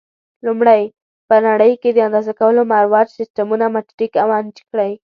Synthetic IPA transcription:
lumɽaj | pənaɽəjked̪əand̪ɑzakawəlomaɾwɑd͡ʒsɪstamunamaʈɾikawɑnd͡ʒkɽəj

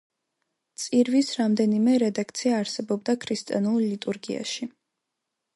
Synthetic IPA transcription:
t̪sʼiɾvisɾamd̪ɛnimɛɾɛd̪akʰt̪sʰiaːɾsɛbɔb̚d̪akʰɾist̪ʼianulˠlit̪ʼuɾɡia̰ʃi

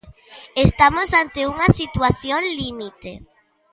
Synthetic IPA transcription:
est̪amosant̪euŋɐsit̪waθjonlimit̪ḛ

